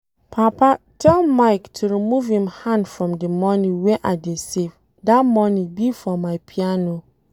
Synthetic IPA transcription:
pʰapa | tʰɛlmaɪktʰuɹimuvhĩmhãndfɹɔ̃mdəmɔniweʔadesev | datmɔnibifɔmaɪpʰiano

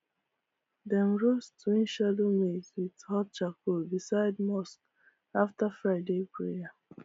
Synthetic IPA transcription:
dɛ̃nɹostuĩnʃadomezwidhɔt̚t͡ʃakʰobisaɪdmɔsk | aftafɹaɪdepɹḛja

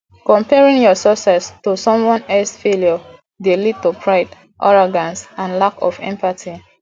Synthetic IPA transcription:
kɔ̃mpɛɹĩŋjɔsɔsɛstusɔ̃mwɔ̃nɛlsfeljɔ | delid̚tupʰɹaɪd | ʔɔɹɔɡãnsãnlakɔfɛ̰̃mpatʰi

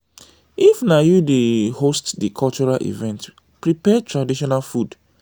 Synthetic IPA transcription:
ifnajudehostdikʰɔlt͡ʃɔɹalʔḭvɛ̃nt | pɹipɛtʰɹadiʃɔnalfud

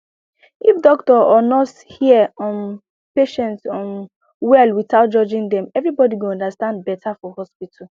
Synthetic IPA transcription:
ifdɔktɔʔɔnɔt | hiɛɔ̃m | peʃɛ̃ntsɔm | wɛlwiθaʊt̚d͡ʒɔd͡ʒɪ̃ŋd̪ɛ̃mɛvɹibɔdiɡũɔ̃ndastãnd̚bɛtʰafɔhɔspitʰal

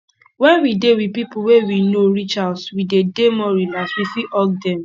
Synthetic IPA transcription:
wɛ̃nwidewipipuwewinoɹit͡ʃadswidedemɔɹilaswifiʔɔɡ̚dɛ̃m

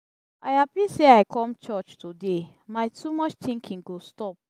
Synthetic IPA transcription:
aɪhapiseaɪkʰɔ̃mt͡ʃɔt͡ʃtude | maɪtʰumɔt͡ʃt̪ĩŋkʰĩŋɡostɔp̚

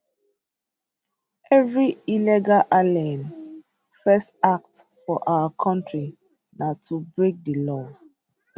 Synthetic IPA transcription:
ɛvɹiilɛɡalʔalãn | fɛstak̚t | fɔʔawakʰɔ̃ntɹi | natʰubɹek̚dəlɔ

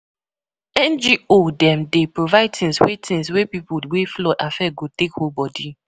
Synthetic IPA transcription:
ɛ̃nd͡ʒiodɛ̃mdepɹovaɪd̚tĩnswetʰĩnswepipuweflɔtafɛɡotekhobɔdi

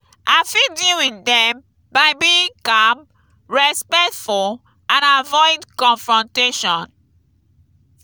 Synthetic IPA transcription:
ʔafiduĩndɛ̃m | baɪbikam | ɹɛspɛktfɔ | ãnavɔɪdkɔ̃nfɹɔ̃nteʃɔ̃n

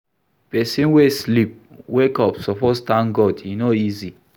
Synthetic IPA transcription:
pɛsĩnweslip̚wekɔpsɔpɔtstãnɡɔdinoizi

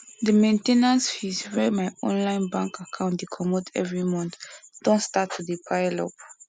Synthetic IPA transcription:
dəmẽntenãnsfisɹɛmajɔ̰̃nlãɪ̃nbãŋkakʰãʊ̃ntdekʰɔmɔtʰɛ̰vɹimɔ̃nθd̥ɔ̃ntstatʰːudipʰaɪlɔ̰p

